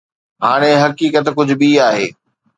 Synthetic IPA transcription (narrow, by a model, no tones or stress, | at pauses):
ɦaːɽ̃eɦɐkiːkət̪kʊd͡ʑʱʊ̆ɓiaːɦeː